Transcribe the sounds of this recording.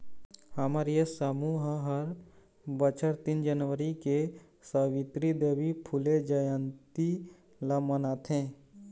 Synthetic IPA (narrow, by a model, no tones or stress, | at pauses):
həmaɾijesəmuɦɦəɾ | bət͡ʃʰəɾt̪ind͡ʒənʋəɾike | səwɪt̪ɾid̪eːʋipʰʊled͡ʒəjənt̪i | lamənaːt̪ʰẽː